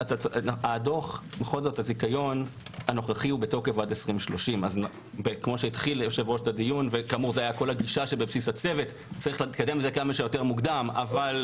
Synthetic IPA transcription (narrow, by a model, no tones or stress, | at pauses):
at̪aaːdo̞χmeχozo̞thazikajo̞nano̞χaχiubeto̞kevadesʁimʃlo̞ʃimaz | bekmo̞ʃeitχiljoʃevʁoʃtadijunvekamuʁzeajako̞laɡiʃaʃe̞bebsisat͡se̞ve̞t | t͡saʁiχlt̪kademlezekamaʃejo̞te̞ʁmuɡd̪ama̰val